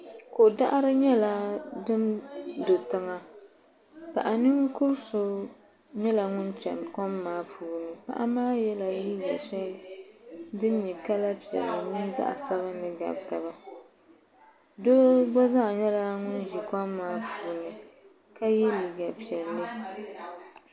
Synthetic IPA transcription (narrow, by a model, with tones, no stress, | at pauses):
ko˨ʔda̰˦ʔa˦ɾɨ˦ɲɛ˦la˨dɨ˦mdo˨tɨ˦ŋa˦ | pa̰˨ʔa˨nɨ˦ŋ˦kʊ˦ɾso˨ | ɲɛ˦la˨ŋʊ˦nt͡ʃɛ̰˨mkɔ˦mːaː˦pʰuː˨nɨ˨pa̰˦ʔa̰˦maː˦jɛ˦la˨li˦ɡa̰˨ʃɛ˦ldɨ˦nɲɛ˨ka˦la˦pi˨ɛ̰˨lːɨ˨nɨ˦n˦za̰˦ʔa̰˨sa˦ba˦nɨ˦ɡa̰˨bta˨ba˦ | do˦ɡ͡bɔ˦za˦˨ɲɛ˦la˦ŋʊ˦nʒi˨kɔ˦mːaː˦pʰuː˨nɨ˨ | ka˦jɛ˦li˨ɡa˨pi˨ɛ˨lːɨ˦